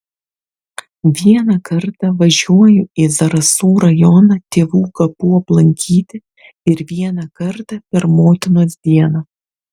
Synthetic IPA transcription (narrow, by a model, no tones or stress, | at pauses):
ʋʲiɛnɐkɐɾt̪ɐʋɐʒʲuɔjʊizɐɾɐsuːɾɐjɔnɐt̪ʲeːʋuːkɐpuːɐplˠɐŋʲkʲʰiːt̪ʲɪ | ɪɾʋʲiɛnɐkɐɾt̪ɐpʲɛɾmoːt̪ʲɪnoːsd̪ʲiɛnɐ